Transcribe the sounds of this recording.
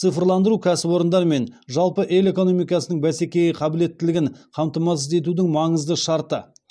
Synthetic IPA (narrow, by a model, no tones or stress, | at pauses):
t̪sɨfəɾlˠɑnd̪əɾukʲʰæsɪbo̞ɾənd̪ɑɾme̞nʒɑlˠpəʔe̞le̞ko̞no̞mijkɑsənəɴbæse̞kʲe̞jɪqʰɑbɪle̞t̪ːɪlɪɡʲɪŋqʰɑmt̪əmɑsəze̞t̪̬ud̪ɪŋmɑɴəzd̪əʃɑɾt̪ə